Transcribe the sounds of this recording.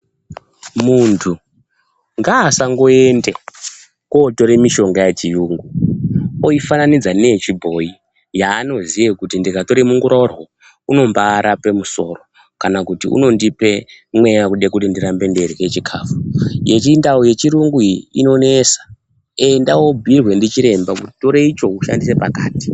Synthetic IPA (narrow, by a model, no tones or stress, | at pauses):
muntʰu | ŋɡaːsaŋɡo̞e̞nde | kwoto̞ɾemiʃo̞ŋɡajat͡ʃijuŋɡu | oifananid͡zanet͡ʃibʱo̞i | jaːno̞zijekutindikato̞ɾemuŋɡuɾaurwo | uno̞mbaːɾʔape̞muso̞ro̞ | kanakutḭṵno̞ndipe̞mwe̞jakuɗekutindiɾambe̞nde̞ɾiɦet͡ʃikʰaːfuje̞t͡ʃindaoje̞t͡ʃiɾuŋɡuḭno̞nesḁ | endawo̞bʱirwe̞ndit͡ʃiɾe̞mbakuti̥to̞ɾe̞it͡ʃo̞uʃa̰ndise̞pakaːti̥